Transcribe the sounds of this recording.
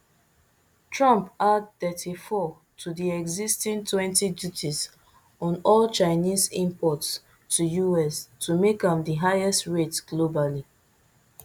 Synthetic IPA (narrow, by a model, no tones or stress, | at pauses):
tɹɔ̃mpad̚tɛtʰifɔ | tʰudiɛɡzistĩntʰwɛ̃ntidjutʰiz | ɔ̃nɔlt͡ʃaɪnizĩmpɔts | tujuɛstumekãmdəɦaɪɛstɹetɡ̥lobali